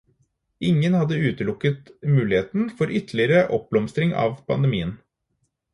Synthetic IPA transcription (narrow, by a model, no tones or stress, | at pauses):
ɪŋːənhɑd̪ːəʉːt̪əlʊkːət̪mʉːlɪheːt̪n̩fɔɾʔʏt̪ʰl̩ɪəɾəʔɔp̚b̥lɔmst̪ɾɪŋɑ̰ːʋpʰɑ̰nd̪əmiːən